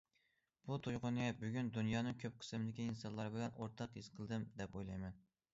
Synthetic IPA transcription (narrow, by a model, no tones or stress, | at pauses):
b̥ut̪ʰojʁʊnɛbyɡʲynd̪unjɑːnɨŋkʲʰøp̚qʰə̥sɨmd̪ɪkʲiːnsɑnlˠɑɾbɪlɛnoɾt̪ʰɑqjɨzqʰəlˠd̪ɨmd̪ɛpojlˠɑjmɛn